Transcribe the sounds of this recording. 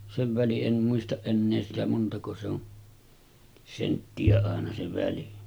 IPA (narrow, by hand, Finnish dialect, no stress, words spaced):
seʋ ʋæliʔ ʔen muistɑʔ ʔenːeː sitæ montɑko se on sentːiæ ɑˑenɑ se ʋæli